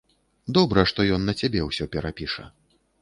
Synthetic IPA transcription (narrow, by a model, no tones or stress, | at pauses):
d̪ɔbɾɐʂt̪ɔjɔnːɐt͡sʲabʲɛwsʲɔpʲɛɾapʲiʂɐ̰